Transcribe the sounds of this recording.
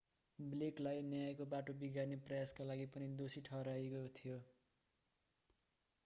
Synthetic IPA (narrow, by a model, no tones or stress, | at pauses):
bleklajnjajkobaʈobiɡarneprʌjaskalaɡipʌnid̪osiʈʰʌɾajkot̪ʰijo